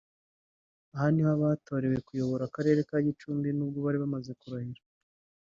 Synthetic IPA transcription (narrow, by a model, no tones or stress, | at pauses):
ahanihaβaːto̞ːɾe̞we̞kujo̞βo̞ɾakaɾe̞ːɾe̞kaɟit͡ʃuːmbinuːb̚ɡoβaɾiβamaze̞kuɾahiɾa